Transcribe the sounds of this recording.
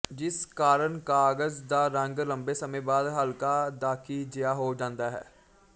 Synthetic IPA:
d͡ʒɪskaːɾəɳkaːɡəzd̪aːɾə̃ŋɡləmbeːsəmẽːbaːd̪ɦəlkaːd̪aːkʰiːd͡ʒɪjaːɦoːd͡ʒãːnd̪aːɦɛ̰ː

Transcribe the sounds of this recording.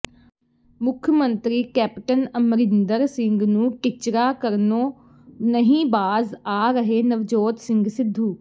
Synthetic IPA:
mʊkʰjmənt̪ɾiːkɛːpʈənəmɾɪnd̪əɾsɪŋɡnũːkɪt͡ʃɾaːkəɾnoː | nəɦĩːbaːzaːɾəɦeːnəʋd͡ʒoːt̪sɪŋɡsɪd̪ʱːuː

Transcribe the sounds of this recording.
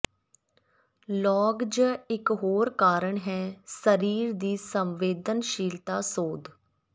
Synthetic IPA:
lɔːɡd͡ʒɪkɦoːɾkaːɾəɳɦɛːsəɾiːɾd̪iːsəmʋeːd̪ənʃiːlt̪aːsoːd̪

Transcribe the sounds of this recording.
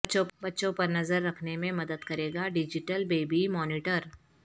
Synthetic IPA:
t͡ʃõbɐtːʃõpɐɾnɐzəɾːɐkʰnemẽmɐd̪əd̪kɐɾeːɡaɖɪd͡ʒɪʈəlbeːbimɔːnɪʈəɾ

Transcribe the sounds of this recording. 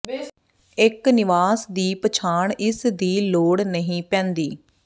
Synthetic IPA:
ɪknɪʋaːsd̪iːpət͡ʃʰaːɳɪsd̪iːloːɽnəɦĩːpɛ̃ːnd̪iː

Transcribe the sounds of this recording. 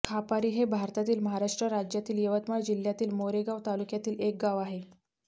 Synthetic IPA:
kʰapaɾiːɦebʱaɾt̪at̪iːlməɦaɾaʂʈɾəɾad͡ʑjat̪iːljəʋət̪maɽd͡ʑil̤jat̪iːlmoɾeɡaʋt̪alukjat̪iːlek̚ɡaʋaɦe

